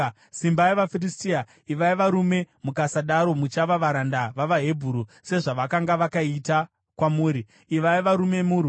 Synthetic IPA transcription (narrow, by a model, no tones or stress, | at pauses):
simbaeʋafiristia | iʋaiʋaɾume̞ | mukasaɗaɾo̞mut͡ʃaʋaʋaɾandaʋaʋaɦe̞bʱuːɾuse̞ʐaʋakaŋɡaʋakaita | kwamuːɾi | iʋaiʋaɾume̞muɾu